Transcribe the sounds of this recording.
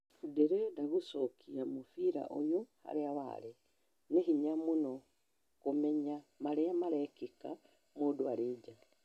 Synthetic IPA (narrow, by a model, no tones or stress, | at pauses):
udeɾedaβusokʰiamufiɾa̰ʔojoha̰ɾeaβa̰le | nehiɲamuno | kumeɲamaleamaɾekika | modwaɾed͡ʒa